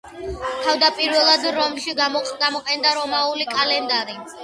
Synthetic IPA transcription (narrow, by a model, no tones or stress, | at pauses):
t̪ʰavd̪apʼiɾvɛlˠad̪ɾɔmʃiɡamɔqʼɛnd̪aɾɔmaulikʼalɛnd̪aɾi